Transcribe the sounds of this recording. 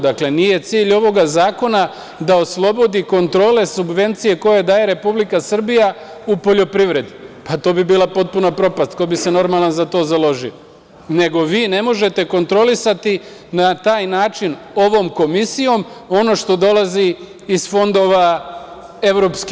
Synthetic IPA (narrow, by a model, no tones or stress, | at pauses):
d̪akle̞nije̞t̪siːʎo̞ʋo̞ɡazaːko̞na | d̪ao̞slˠo̞bo̞d̪iko̞nt̪ɾo̞ːle̞subʋe̞nt̪sije̞ko̞je̞d̪aːje̞ɾe̞publikasr̩bija | upo̞ʎo̞pɾiʋɾe̞d̪ipat̪o̞ːbibiːlˠapo̞t̪̚punapɾo̞past̪kobise̞no̞ɾmalˠanzat̪o̞ːzalo̞ʒio | ne̞ɡo̞ʋiːne̞mo̞ʒe̞t̪e̞ko̞nt̪ɾo̞lisat̪i | nat̪aːjnaːt͡ʃino̞ʋo̞ːmko̞misijo̞mo̞no̞ʃt̪o̞d̪o̞lˠaziː | sfo̞nd̪o̞ːʋa | e̞ʋɾo̞ːpski